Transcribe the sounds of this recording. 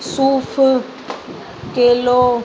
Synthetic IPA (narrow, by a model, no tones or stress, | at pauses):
suːfʊ | kʼɪlo